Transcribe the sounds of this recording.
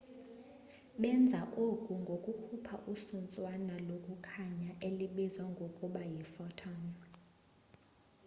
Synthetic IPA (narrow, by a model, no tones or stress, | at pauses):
ɓɛnd͡zʱaʔokʼuŋɡʱokʼukʰupʰaʔusunt͡sʼwanalokʼukʰaɲaʔeliɓizwaŋɡʱokʼuɓajifɔtʰɔn